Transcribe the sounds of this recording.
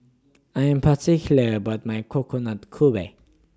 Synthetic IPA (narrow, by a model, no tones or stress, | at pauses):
ajə̃mpʰətʰikjləbʌt̚majkʰokʰonatkʰube